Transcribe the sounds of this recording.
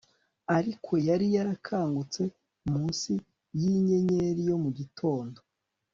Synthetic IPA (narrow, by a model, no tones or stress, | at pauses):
aɾikʰo̞jaɾijaɾakʰaːŋɡut͡se̞ | umuːnsi | jiɲe̞ɲe̞ɾijo̞muɟitʰo̞ːndo̞